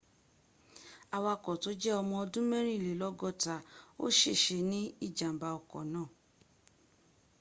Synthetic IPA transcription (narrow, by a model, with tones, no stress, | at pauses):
a˧wa˧kɔ˨to˨˦d͡ʒɛ˦ɔ˧mɔ̃˧ɔ˧dũ˦mɛ̃˦ɾ̃ĩ˦˨le˨˦lɔ˦ɡɔ˦˨ta˨o̰˦ʃe˦˨ʃe˧nĩ˦i˦˨d͡ʒã˨m̩˨ba˧ɔ˨kɔ̰˨nãː˦˨